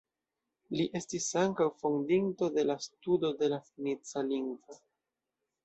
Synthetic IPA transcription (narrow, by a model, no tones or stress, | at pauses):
liʔe̞stisaŋkawfondinto̞de̞lastudo̞de̞lafinit͡saliŋɡvo